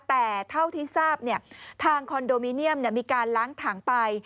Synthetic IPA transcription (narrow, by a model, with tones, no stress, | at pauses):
t̪ɛː˨˩t̪ʰa˥˩wt̪ʰiː˥˩saː˥˩p̚ni˥˩ɐt̪ʰaː˧ŋkʰɔ˧ndoː˧miː˧˥ni˥˩əmni˥˩əmiː˧kaː˧nlaː˦˥ŋt̪ʰaː˩˦ŋpa˧j